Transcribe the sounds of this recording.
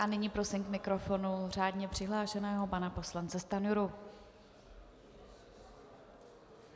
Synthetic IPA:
ʔanɪɲiːpɾo̞sɪmkmɪkɾo̞fo̞nur̝aːdɲɛpr̥ɪɦlaːʃɛnɛːɦo̞panapo̞slant͡sɛst̪anuɾu

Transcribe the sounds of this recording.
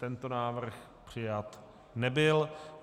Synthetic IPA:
t̪ɛnt̪onaːvr̩x | pr̝̥ɪjat̪ | nɛbɪl

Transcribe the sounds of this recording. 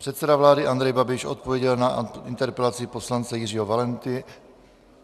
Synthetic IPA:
pr̥ɛt̪sɛdavlaːdɪʔand̪ɾɛjbabɪʃot̪̚povjɛɟɛlnaɪnt̪ɛɾpɛlat͡sɪpo̞slant͡sɛjɪriːɦovalɛnt̪ɪ

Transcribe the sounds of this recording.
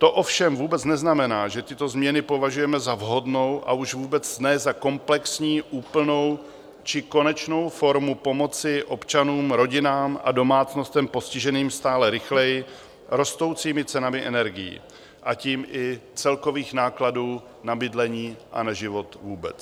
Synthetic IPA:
t̪o̞ʔo̞fʃɛmvuːbɛt͡snɛznamɛnaːʒɛt̪ɪt̪o̞zmɲɛnɪpo̞vaʒujɛmɛzavɦo̞dno̞wʔa̰ʔuʒvuːbɛt͡snɛzako̞mplɛksɲiːʔuːpl̩no̞w | t͡ʃɪko̞nɛt͡ʃno̞wfo̞ɾmupo̞mo̞t͡sɪʔo̞pt͡ʃanuːmɾo̞ɟɪnaːmʔa̰do̞maːt͡sno̞st̪ɛmpo̞scɪʒɛniːmst̪aːlɛɾɪxlɛjɪ | ɾo̞st̪o̞wt͡siːmɪt͡sɛnamɪʔɛnɛɾɡɪjḭ | ʔaciːmʔɪt͡sɛlko̞viːxnaːkladuː | nabɪdlɛɲiːʔa̰naʒɪvo̞t̪vuːbɛ̰t͡s

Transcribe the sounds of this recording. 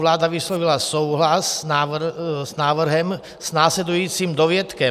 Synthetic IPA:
laːd̪aʋislɔʋilasɔʊɦlasnaːznaːʋr̩ɦɛm | z̥naːslɛd̪ujiːt͡simd̪ɔʋɪɛt̪kɛ

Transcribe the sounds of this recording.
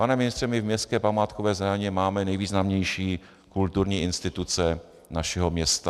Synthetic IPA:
panɛmɪnɪst̪r̥ɛmɪvmɲɛskɛːpamaːt̪kovɛːzɛɲɛmaːmɛnɛjviːznamɲɛjʃiː | kult̪uɾɲiːʔɪnst̪ɪt̪ut͡sɛ | naʃɛɦomɲɛst̪a

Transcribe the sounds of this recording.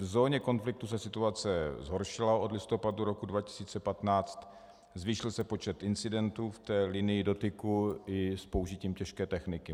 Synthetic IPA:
vzo̞ːɲɛko̞nflɪk̚t̪usɛsɪt̪uat͡sɛzɦo̞ɾʃɪlaʔo̞dlɪst̪o̞paduɾo̞kudvacɪ̥siːt͡sɛpat̪naːt͡st̪ | zviːʃɪlsɛpo̞t͡ʃɛt̪ɪnt͡sɪdɛnt̪uft̪ɛːlɪnɪjɪdo̞t̪ɪkuɪspouʒɪciːmcɛʃkɛːt̪ɛxnɪkɪ

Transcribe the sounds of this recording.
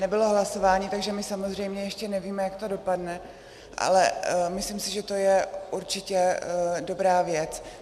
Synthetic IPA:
nɛbɪlo̞ɦlaso̞vaːɲiːt̪aɡʒɛmɪsamozr̝ɛjmɲɛjɛʃcɛnɛviːmɛjakt̪o̞do̞padnɛ | ʔa̰lɛmɪslɪmsɪʒɛt̪o̞jɛʔuɾt͡ʃɪcɛdo̞bɾaːvjɛt͡s

